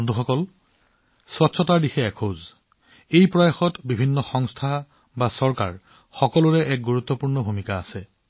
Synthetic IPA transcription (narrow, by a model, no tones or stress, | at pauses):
nduxɔkɔl | swɔtːsʰɔtaɹdixɛːkʰoz | ejpɹɔjaxɔtbibʱinːɔxɔŋstʰa | basɔɹka̰ɹ | xɔkɔlʊɹɛʔɛk̚ɡuɹut̪ːɔpuɹnɔbʱumikaːsɛ